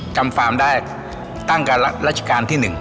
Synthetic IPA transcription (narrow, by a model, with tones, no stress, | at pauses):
t͡ɕa˧˩mfaː˩˦mɗaː˧˩j | t̪aː˥˩ŋkaː˧˦˥la˦˥t͡ɕkaː˧nt̪ʰiː˥˩nɨ˨˩ŋ